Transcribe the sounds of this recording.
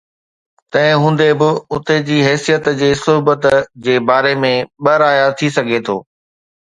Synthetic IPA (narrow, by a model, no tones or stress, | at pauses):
t̪ɐ̃ɦɪ̃ɦũːn̆d̪ebɪʊt̪ed͡ʑiːɦɛːsijət̪d͡ʑeːsʊɦbət̪d͡ʑeːbaːɾemẽɓɐɾaːjat̪ʰisɐɡʱet̪ʰo̰ː